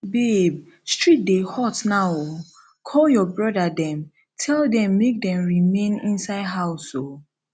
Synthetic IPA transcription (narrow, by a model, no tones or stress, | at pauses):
beb | stɹit̚dehɔtnawo | kʰɔljɔbɹɔdadɛ̃m | tʰɛldɛ̃mːek̚dɛ̃mɹimẽnḭ̃nsaɪdɦaʊso